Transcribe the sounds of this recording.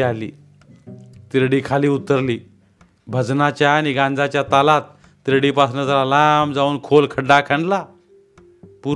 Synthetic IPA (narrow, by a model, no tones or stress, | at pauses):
alḭː | t̪iɾɽiːkʰaliːut̪ːəɾliː | bʱəd͡znat͡ɕjaːñiɡãnd͡zat͡ɕjat̪alat̪̚ː | iɾɽipasnəd͡zalalambd͡zauːnkʰolkʰəɖːakʰə̃ɳɖla | pu